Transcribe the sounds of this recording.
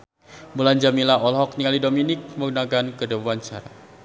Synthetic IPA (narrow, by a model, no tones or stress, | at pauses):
buland͡ʒamilaɔlɦɔk̚niŋalidominɪk̚məɡunakankədəbuant͡ʃa̰ɾa̰